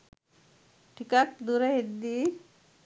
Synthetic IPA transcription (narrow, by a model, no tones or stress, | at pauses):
ʈʰikak̚d̪uɾeɦed̪i